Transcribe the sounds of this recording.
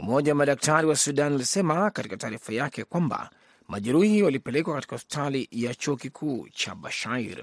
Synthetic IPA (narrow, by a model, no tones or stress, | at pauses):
umɔʄawamaɗak̚taɾiwasuɗanulisɛmakati̥kataːɾifajakɛkwamba̰ | maʄɛɾuhiwalipɛlɛkwakatikaɔspi̥talijat͡ʃuɔkikʰuːt͡ʃa̰ɓaʃaiɾ